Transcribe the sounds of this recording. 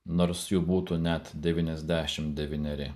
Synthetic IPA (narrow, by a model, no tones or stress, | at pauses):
noːɾsjuːbuːt̪unʲɛt̪d̪ʲɛʋʲiːnʲɛzʲd̪ʲæːʃʲɪmd̪ʲɛʋʲiːnʲɛɾʲɪ